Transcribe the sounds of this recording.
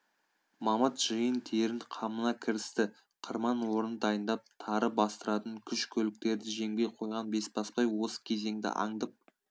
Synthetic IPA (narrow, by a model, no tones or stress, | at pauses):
mɑmət̪ʒ̥ɨjənt̪ʰeɾɪnqʰɑmənɑkʲʰɪɾɪst̪ɪ | qʰəɾmɑnwo̞ɾənd̪ɑjənd̪ɑp̚t̪ʰɑɾəbɑst̪əɾɑt̪əŋkʲʰʏʃkʲʰɵlɪk̚t̪e̞ɾd̪ɪʒe̞ŋbʲe̞jqʰo̞jʁɑnbe̞sbɑspɑjwo̞sə̥kʲʰe̞ze̞ŋd̪ɪ̰ʔɑ̰ɴd̪əp̚